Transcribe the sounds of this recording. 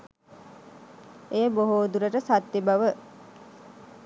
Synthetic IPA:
ejəboɦoːd̪uɾəʈəsat̪ːebaʋə

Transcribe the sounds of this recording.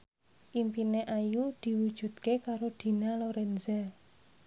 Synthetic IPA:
ʔimpineʔajud̪̥i̤wud̥ʒ̥ṳd̪̚kekaɾod̪̥i̤naloɾɛnza

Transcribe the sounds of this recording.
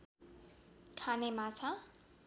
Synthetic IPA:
kʰanemat͡sʰʌ

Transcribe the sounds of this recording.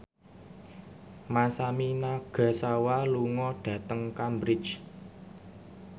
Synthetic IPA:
masaminaɡ̥a̤sawaluŋɔɖ̥ä̤t̪əŋkambɾɪ̥t͡ʃ

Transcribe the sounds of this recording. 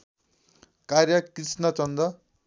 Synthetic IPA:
karjʌkrisnʌt͡sʌnd̪ʌ

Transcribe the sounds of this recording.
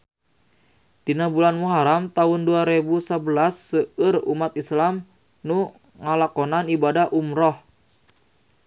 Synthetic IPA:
d̥inabulanmuɦaɾamt̪aɦʊnduaɾebusabəlasːəərṵmat̪islam | nu | ŋalakɔnanibadaʔumɾɔh

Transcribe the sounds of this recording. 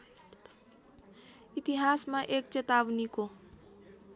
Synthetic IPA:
it̪iɦaːsmãʔek̚t͡ʃet̪aːʋniko

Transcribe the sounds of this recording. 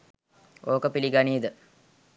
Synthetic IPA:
oːkəpiliɡaniːd̪ə

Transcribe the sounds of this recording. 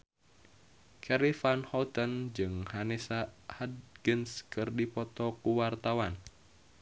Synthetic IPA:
kʰɛɾifanhɔt̪ənd͡ʒɨŋhanesahad̪̚ɡ̥ənskɨrdipɔt̪ɔkuwart̪awan

